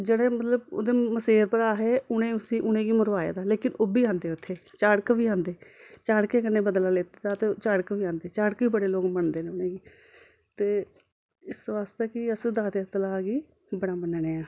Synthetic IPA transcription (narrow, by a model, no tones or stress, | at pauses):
d͡ʒeːɽẽːmət̪ləbo̰ːd̪eːməseːɾpəɾaːɦeːʊɽẽːʊsĩːʔʊñẽːɡiːmʊɾʋaːjḛːd̪aːleːkɪnoːbiːãːnd̪eːʊt̪ʰːeːt͡ʃaːɽkbiːãːnd̪eːt͡ʃaːɽkeːkənːẽːbəd̪laːleːt̪eːd̪aːt̪eːt͡ʃaːɽkbiːãːnd̪eːt͡ʃaːɽkiːbəɽeːloːkməɳd̪eːneːʊnẽːɡiː | t̪eː | ɪsʋaːst̪eːkɪəsd̪aːt̪at̪əlaːɡiː | bəɽaːmənɳeːãː